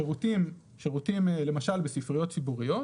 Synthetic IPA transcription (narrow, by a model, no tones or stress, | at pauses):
eʁut̪im | ʃeʁut̪imle̞maʃalbesifʁijo̞t̪̚t͡sibuʁijo̞